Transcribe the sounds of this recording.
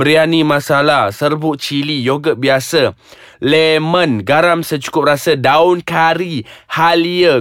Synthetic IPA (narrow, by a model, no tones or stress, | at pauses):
əɾianimãsalahsərbʊʔt͡ʃilijoɡəʔ̚biasə | lɛmə̃nɡaɾamsət͡ʃu̥kʊp̚rasədaʊnkaɾihaliə